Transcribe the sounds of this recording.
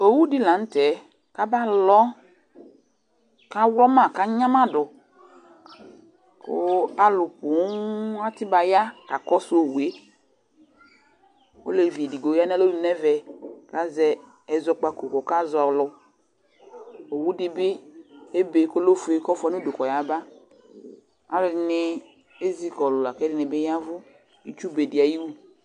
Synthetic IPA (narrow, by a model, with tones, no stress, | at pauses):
o˨wu˦dɪ˦lã˨n̩˦tɛ˨˦ | ka˦ba˦lɔ˦ | ka˦wlɔ˦mã˦˨ka˦ɲã˦ma˦dʊ˨ | ko̰˦a˦lʊ˨pu˨˦a˦tɪ˦ba˨ja˦ka˨kɔ˦su˦o˨wu˨e˦ | o̰˦le˨vi˨di˨ɡo˨ja˦nɛ˦lo˦nu˨nɛ˦vɛ˨ka˦zɛ˦ | ɛ˨zɔ˦k͡pa˦ko˨kɔ˨ka˦zɔ˨lʊ˨ | o˨wu˦dɪ˦bɪ˦e˦be˨ko˦lo˦fe˨˦kɔ˦fɛ˦nu˦do˨kɔ˨ja˦ba˦ | a˦lʊ˨˦nɪ˦ | e˦zi˦kɔ˨lʊ˨la˨kɛ˦dɪ˦ne˨be˦ja˦vʊ˦ | i˦t͡ʃu˦be˨di˨a˨ji˦wu˦